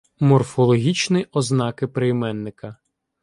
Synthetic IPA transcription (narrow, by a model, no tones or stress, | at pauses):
mɔrfɔlˠɔɦʲit͡ʃnɪɔznɑkɪpɾejmɛnːɪkɐ